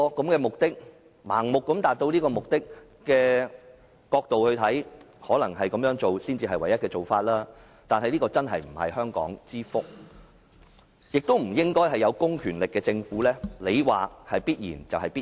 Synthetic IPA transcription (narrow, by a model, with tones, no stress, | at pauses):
kɐ˨˥mkɛː˧mʊ˨k̚t̪ɪ˥k̚ | ma̰ː˨˩ŋmʊ˨kːɐ˨˥mt̪aː˨t̚t̪o˧wliː˥kɔː˧mʊ˨k̚t̪ɪ˥k̚ː | ɛː˧ | kɔː˧k̚t̪o˨whɵ˧t̪ʰɐ˨˥j | hɔː˨˥lɐ˨˩ŋɦɐ˨jkɐ˨˦mjœː˨˥ŋt͡so˨wsiː˥nt͡siː˧ɦɐ˨jwɐ˨˩jɐ˥t̚kɛː˧t͡ʃo˨wfaː˧t̚laː˥ | t̪aː˨nɦɐ˨jliː˥kɔː˧t͡sɐ˥nɦɐ̰˨jm̩˨˩hɐ̰˨jhœː˥ŋkɔ̰ː˨˥ŋt͡siː˥fʊ˥k̚ | jɪ˨k̚t̪o˥wm̩˨˩jɪ˥ŋkɔː˥jɦɐ˨jɐ˨˧wkʊ˥ŋkʰyː˨˩nlɪ˨kːɛː˧t͡sɪ˧ŋfuː˨˥lɛː˥le˨˧jwaː˨˩hɐ˨jpiː˥t̚jḭː˨˩nt͡sɐ˨whɐ˨jpiː˥